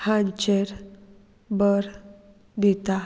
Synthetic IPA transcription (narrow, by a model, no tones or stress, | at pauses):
hãnt͡ɕeɾ | bəɾ | d̪it̪a